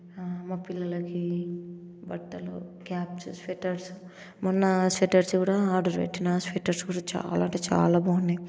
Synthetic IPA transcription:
maːpilːɐlɐki | bɐʈːɐlṵkaːpsspeʈɐɾs | munːɐspeʈɐɾskuːɽaːaːɾɖoɾʋḛʈːinaspeːʈːɐɾsɡuːɽaːt͡ʃa̰ːlaːɐɳʈeːt͡ʃa̰ːlaːbɐnːɐ

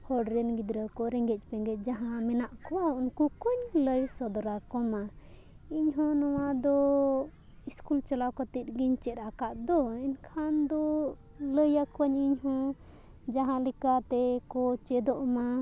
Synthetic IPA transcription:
hɔɖɾɛnɡid̪ɾəkɔɾɛŋɡɛc̚ˀpɛŋɡɛc̚ˀd͡ʒaɦãmɛnaʔkɔwaunkukɔɲləjsɔd̪ɔɾakɔma | iɲɦɔ̃nɔwad̪ɔ | iskult͡ʃalawkɔt̪it̪̚ɡiɲt͡ʃɛt̪akaʔd̪ɔiɲkʰand̪ɔ | ləjakwaɲiɲɦɔ̃ | d͡ʒaɦãlikat̪ɛkɔt͡ʃɛd̪ɔʔma

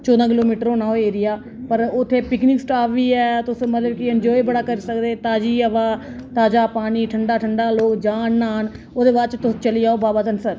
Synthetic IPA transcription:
t͡ʃɔːd̪ãːk̬ɪloːmiːʈɾõːnaːɦoeːɾɪjaː | pəɾʊt̪ʰːeːpɪknɪːksʈaːfʰʋiːɛːt̪ʊsmət̪ləb̚kɪəɲd͡ʒɔːibəɽaːkəɾisəkd̪eːt̪aːd͡ʒiːəʋaː | t̪aːd͡ʒaːpaːniːʈʰəɳɖaːʈʰəɳɖaːloːkd͡ʒaːnːaːɦən | oːd̪eːbaːɾt͡ʃt̪ʊst͡ʃəlijaːoːbaːbaːd͡ʒ̪ənsəɾ

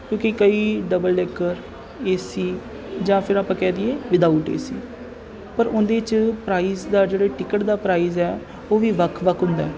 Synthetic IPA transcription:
kjõːkikəiːɖəbəlːɛːkəɾ | eːsiː | d͡ʒãːpʰɪɾaːpãːkɛːd̪ieːʋɪd̪aːuːʈḛːsiː | pəɾʊ̃nd̪eːɪt͡ʃpɾaːiːzd̪aːd͡ʒeːɽeːʈɪkəʈd̪aːpɾaːiːzɛː | oːʋiːʋəkʰʋəkʰɦʊ̃nd̪aɛ

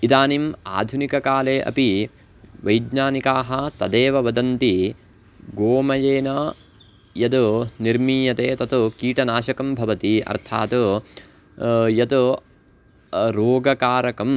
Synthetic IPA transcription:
id̪aːnima̰ːd̪ʱunikɐkaːleːʔɐ̰pi | ʋɐjd̪ɲaːnikaːɦɐt̪ɐd̪eːʋɐʋɐd̪ɐnt̪i | ɡoːmɐjeːnɐ | jɐd̪uniɾmiːjɐt̪eːt̪ɐt̪ukiːʈɐnaːʃɐkɐmbʱɐʋɐt̪iɐ̰ɾt̪ʰaːt̪u | jɐt̪u | ɾoːɡɐkaːɾɐkɐm

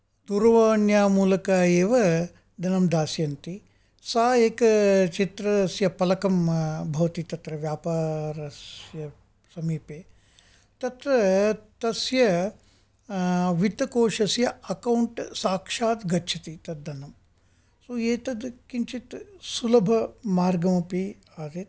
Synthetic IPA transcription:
d̪uːɾɐʋɐːɳjaːmuːlɐkaːeːʋɐ | d̪ʱɐnɐmd̪aːsjɐnt̪i | saːeːkɐt͡ʃit̪ɾɐsjɐpɐlɐkɐmbʱɐʋɐt̪it̪ɐt̪ɾɐʋjaːpaːɾɐsjɐ | sɐmiːpeː | t̪ɐt̪ɾɐt̪ɐsjɐ | ʋit̪ɐkoːʃɐsjɐɐkɐwɳʈsaːkʂaːt̪ɡɐtːt͡ʃʰit̪it̪ɐd̪d̪ɐnɐm | soeːt̪ɐd̪kint͡ʃit̪sulɐbʱɐmaːɾɡɐmɐpi | aːt̪it̪

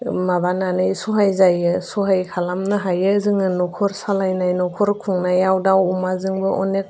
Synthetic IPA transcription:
mabananɯjsuɦajzajɯsuɦajkʰalamnɯɦajɯzɯŋɯnɔkʰɔɾsalajnajnɔkʰɔɾkʰuŋnajawdawumazɯŋbɯʔɔnek̚

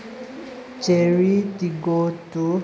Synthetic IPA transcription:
t͡ʃeɾitiɡotu

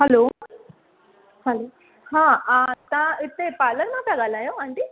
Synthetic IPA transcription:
hɐloː | hɐlo | hãːt̪ãit̪ːepaːlɐɾmãt̪ɐɡaːlajoɐɳʈi

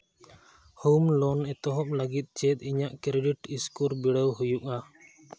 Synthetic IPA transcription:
humlɔnɛt̪ɔɦɔplaɡit̪̚t͡ʃɛt̪̚ˀiɲaʔkɾeɖiʈiskuɾbiɽəwɦujuka

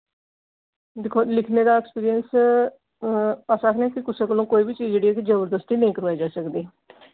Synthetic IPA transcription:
d̪ɪkʰːoːlɪkʰneːd̪aːɛkspiːɾijəns | paːsaːkʰnẽːkɪkʊsẽːkəlõːkoːiːbiːt͡ʃiːzd͡ʒeːɽiːɛːkid͡ʒəbəɾd̪əst̪iːnəĩːkəɾʋaːed͡ʒaːsəkd̪eː

